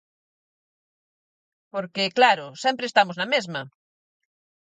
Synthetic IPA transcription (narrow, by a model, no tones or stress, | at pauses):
poɾkɪklaɾʊsɛmpɾeːst̪amʊznɐmezmɐ